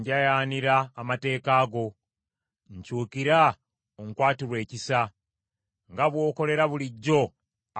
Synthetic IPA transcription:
ɲɟajaːniɾaːmate̞ːkaːɡo̞ | ɲcuːkiɾa | oŋkwaːtiɾwe̞ːcisa | ŋɡaβwo̞ːko̞le̞ɾaβuliɟːo̞

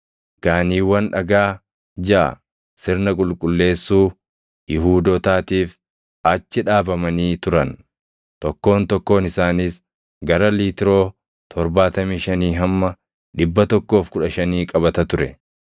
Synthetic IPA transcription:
ɡ̥aːniːwːɐnᶑɐɡaː | d͡ʒɐʔɐ̰ | sɪɾnɐkʼʊlkʼʊlːe̞ːsːuː | jɪɦuːd̪ɔt̪aːt̪iːf | ɐt͡ʃːɪᶑaːbɐmɐniːt̪ʊɾɐn | t̪ɔkːo̞ːnt̪ɔkːo̞ːnɪsaːniːs | ɡɐɾɐliːt̪ɪɾo̞ː | t̪ʰɔɾbaːt̪ɐmiːʃɐniːɦɐmːɐ | ᶑɪbːɐt̪ɔkːo̞ːfkʊᶑɐʃɐniːkʼɐbɐt̪ɐt̪ʊɾɛ̰

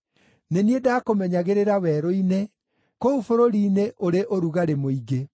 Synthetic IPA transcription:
neniedaːkomɛɲaɣeɾeɾawɛɾoine | koufoɾoɾiːneʔoɾeʔoɾuɣaɾemoiɣe

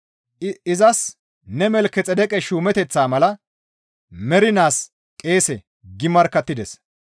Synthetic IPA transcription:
ɪzɐs | nɛmɛlkɛt͡sʼɛd̪ɛkʼɛʃuːmɛt̪ɛt͡sːaːmɐlɐ | mɛɾɪnaːs | kʼe̞ːsɛ | ɡɪmɐɾkːɐt̪ːɪd̪ɛs

